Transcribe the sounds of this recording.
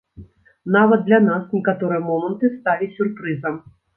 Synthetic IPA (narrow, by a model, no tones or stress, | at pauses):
navɐd̪̚d̪lʲanasnʲikat̪ɔɾɨjɐmɔmɐnt̪ɨst̪alʲisʲurpɾɨzɐm